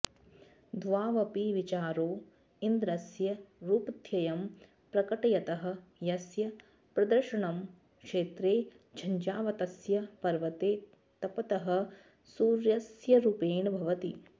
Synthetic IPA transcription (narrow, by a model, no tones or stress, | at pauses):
d̪ʋaːʋɐpiʋit͡ʃaːɾoː | ind̪ɾɐsjɐɾuːpɐt̪ʰjɐjɐm | pɾɐkɐʈɐjɐt̪ɐɦɐ̆jɐsjɐ | pɾɐd̪ɐɾʃɐɳɐm | kʂeːt̪ɾeː | d͡ʒʰʱɐɲd͡ʒaːʋɐt̪ɐsjɐpɐɾʋɐt̪eː | t̪ɐpɐt̪ɐɦɐ̆ | suːɾjɐsjɐɾupeːnɐbʱɐʋɐt̪i